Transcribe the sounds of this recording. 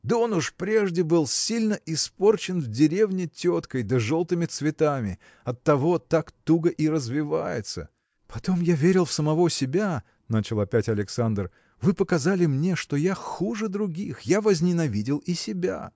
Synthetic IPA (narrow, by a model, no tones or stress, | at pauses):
d̪əonʊʂpɾʲeʐdʲɪbɨlˠsʲilʲnəʔɪspo̞rt͡ɕɪnvdʲɪɾʲevnʲɪtʲo̞t̪kəjd̪əʐolˠt̪ɨmʲɪt̪svʲɪt̪amʲɪ | ɐt̪ːɐvo̞t̪akt̪uɡəʔɪɾəzvʲɪva̰jɪ̰t̪sə̰ | pɐt̪o̞mjavʲeɾʲɪlˠfsəmɐvo̞sʲɪbʲa | nat͡ɕɪlˠɐpʲætʲɐlʲɪksand̪r | vɨpəkɐzalʲɪmnʲeʂt̪o̞jaxuʐɨd̪ɾʊɡʲixjavəzʲnʲɪnɐvʲidʲɪlˠɪsʲɪbʲa̰